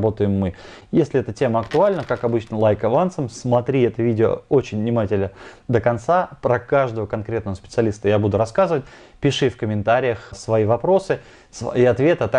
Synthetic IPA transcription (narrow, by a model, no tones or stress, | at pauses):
bo̞t̪əjɪmːɨ | jesʲlʲɪɛt̪ətʲe̞məɐkt̪ʊalʲnəkakɐbɨt͡ɕnəlˠajkɐvant̪səmsmɐt̪ɾʲiɛt̪əvʲidʲɪo̰ot͡ɕɪnʲvnʲɪmatʲɪlʲnəd̪əkɐnt̪sapɾəkaʐd̪əvəkɐnkɾʲe̞t̪nvəspʲɪt̪sɨɐlʲist̪əjabud̪ʊɾɐskazɨvət̚ʲ | pʲɪʂɨfkəmʲɪnt̪aɾʲɪjəxsvɐivɐpɾo̞sɨ | siɐt̪vʲe̞t̪ɐt̪